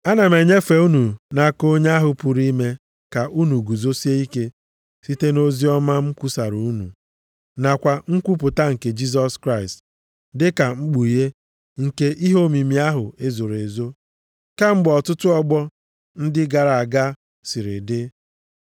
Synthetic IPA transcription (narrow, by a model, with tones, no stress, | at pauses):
a˦na˨me˨ɲe˦fe˨u˦nu˨na˨ko˦ɲe˦a˦ɦʊ˨pu˨ɾi˦me˦ | ka˨ʔu˦nu˨ɡu˨zo˦si˦e˦i˦ke˦ | si˦te˦no˦zi˦ɔ˦ma˦ŋ͡m̩˦ku˦sa˨ɾu˨u˦nṵ˨ | na˨kʷa˨ŋ̩˦kʷu˦pʊ˨ta˦ŋ̩˨ke˨d͡ʒi˦s̬ɔ˦skɾa˦ɪ˨st | dɪ˦ka˨ŋ͡m̩˦ɡ͡bu˨i˨ɦe˦ | ŋ̩˨ke˦ʔi˦ɦo˦˨mi˨mi˨a˦ɦʊ˨e˦zo˨ɾe˨zo˦ | ka˦ŋ͡m̩˦ɡ͡bɔ˨tʊ˦tʊ˦ɔ˦ɡ͡bɔ˦ | n̩˦dɪ˦ɡa˨ɾa˨ɡa˦ | si˨ɾɪ̰˨dɪ˦